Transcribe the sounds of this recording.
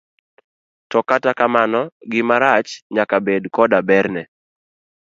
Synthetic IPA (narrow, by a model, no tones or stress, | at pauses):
tɔkatakamanɔɡɪmaɾat͡ʃɲakabedkɔdabɛɾnɛ